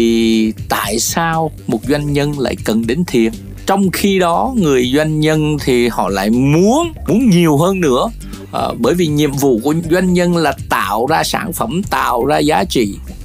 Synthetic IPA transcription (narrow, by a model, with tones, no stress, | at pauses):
i˨˩t̪a̰ː˧˨jsaː˧wmo˨˩t̚zwa˧jŋ̟ɲə˧nla̰ː˧˨jkə˨˩nɗe˨˦nt̪ʰi˨˩ən | t͡ɕɔ˧wŋ͡mxi˧ɗɔ˨˦ŋɨ˨˩əjzwa˧jŋ̟ɲə˧nt̪ʰi˨˩hɔ̰˧˨la̰ː˧˨jmu˨˦ənmu˨˦ənɲi˨˩əwɦəː˧nːɨ̰˧˥ə | ʔɓəː˧˩jvi˨˩ɲḭ˧˨əmvṵ˧˨ku˧˩əzwa˧jŋ̟ɲə˧nlaː˨˩t̪a̰ː˧˨wzaː˧sa̰ː˧˩nfə˧˩mt̪a̰ː˧˨wzaː˧zaː˨˦t͡ɕḭ˧˨